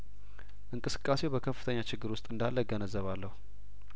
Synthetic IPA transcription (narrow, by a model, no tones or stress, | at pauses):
ʔɨŋkʼɨsɨ̥kʼːase̞wbəkʰəfːɨt̪ʰəɲːat͡ʃɪɡːɨɾwʊst̪ʼɨnd̪alːəɡənəzːəβalːəhu